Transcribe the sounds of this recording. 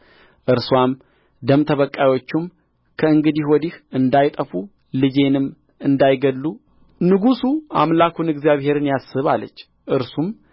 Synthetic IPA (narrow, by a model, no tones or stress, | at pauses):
ʔɨɾswam | d̪əmt̪ʰəβəkʼːajwo̞t͡ʃːum | kʰəɨŋɡɨd̪iwɔd̪ihɨnd̪ajt̪ʼəfu | lɨd͡ʒe̞nɨm | ɨnd̪ajɡəlːu | nɨɡusuʔa̰mlakʰunɨɡzijaβhe̞ɾɨnjasɨβa̰lːə̰t͡ʃː | ʔɨɾsum